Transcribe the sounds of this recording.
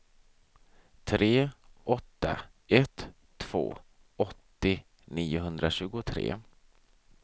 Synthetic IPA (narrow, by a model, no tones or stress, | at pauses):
t̪ʰɾeːʔɔt̪ːa̰ | ʔɛt̪ʰː | v̥o̰ː | ɔt̪ːɪ | niːʊɦɵnd̪ɾaɕʉ̟ːɡʊt̪ʰɾḛː